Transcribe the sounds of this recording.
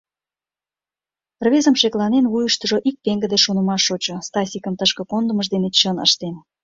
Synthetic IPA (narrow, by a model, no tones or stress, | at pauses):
rβezəmʃeklɑnenβujəʃt̪ə̆ʒoʔik̚p̪eŋɡə̆d̪eʃonə̆mɑʃot͡ɕŏst̪ɑsʲikəmt̪əʃkə̆kond̪əməʃ̬d̪enet͡ɕənə̰ʃt̪en